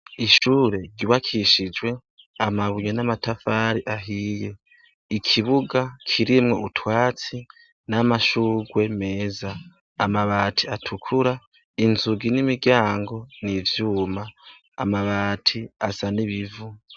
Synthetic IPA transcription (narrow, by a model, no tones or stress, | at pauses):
iʃuːɾe̞ɾɟuβakʰiʃid͡ʒwe̞ | amaβuɲenamatafaːɾiʔaɦiːje | ikʰiβuɡakʰiɾimŋo̞utʰwaːt͡si | namaʃuːɡwe̞me̞ːzaː | maβaːtʰiatʰukʰuɾa | inzuɡinimiɡjaːŋɡo̞nivjuːma̰ː | maβaːtʰiasaniβivu